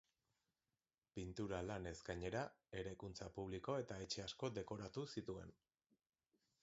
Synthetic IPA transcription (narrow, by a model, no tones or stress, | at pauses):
pint̪uɾalane̞zɡaɲe̞ɾae̞ɾajkunt͡sapuβ̞liko̞e̞t̪ae̞t͡ʃe̞asko̞d̪e̞ko̞ɾat̪usit̪ue̞n